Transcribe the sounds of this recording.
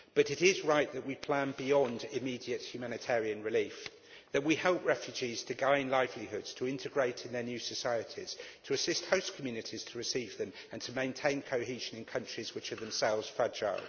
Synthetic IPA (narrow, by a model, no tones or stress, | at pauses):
b̥ʌɾɪɾɪzɹaɪʔ̪̚ðəʔwipʰl̥æ̃nbɪɒ̃ndɪmiːdiət̚hjʉmæñɪtʰɛːɹiə̃nɹɪliˑf | ðəʔwihɛlˠp̚ɹɛfjʉd͡ʒiz̥tʰəɡãɪ̃nlaɪvliɦʊdz̥tʰəɪ̃ntʰɪɡɹeɪtʰɪ̃nðənjʉsəsaɪətʰḭz̥tʰəːsɪst̚həʊskʰəmjʉːnɪtʰiz̥tʰəɹɪsiːvðə̃m | ə̃ntʰəmẽɪ̃ntʰẽɪ̃nkʰəʊɦiːʒə̃nɪ̃nkʰʌ̃nt͡ʃɹ̥izwɪt͡ʃəðə̃msɛlˠvz̥fʌd͡ʒa̰ɪ